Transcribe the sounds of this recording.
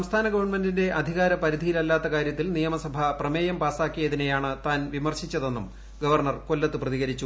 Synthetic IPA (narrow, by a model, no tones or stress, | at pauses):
sɐmst̪ʰaːnɐɡɐʋɐrɳmendinde̞ʔɐd̪ʱiɣaːɾɐpɐɾid̪ʱijilɐlːaːt̪ːɐkaːɾjɐt̪ːilnijɐmɐsɐbʱɐprɐmeːjɐmpaːsaːkːijɐðinejaːɳɨt̪aːnʋimɐrɕit͡ɕːɐðe̞nːum | ɡɐʋɐrɳɐrko̞lːɐt̪ːɨprɐðiɣɐɾit͡ɕːu